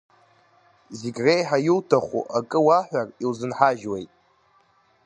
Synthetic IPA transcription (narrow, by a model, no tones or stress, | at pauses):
ziɡʲrejħajɪltʰaχʷṵʔakʼɨwaħᶣʷarilzɨnħaʒwejtʼ